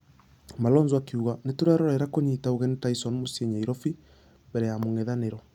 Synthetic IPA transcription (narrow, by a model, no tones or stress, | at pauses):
malɔnzwakiuɣanetoɾaɾɔɾɛɾakoɲiːtaoɣɛntaisɔnmoseɲaiɾɔfi | mbɛɾɛjamoŋɛðaneɾɔ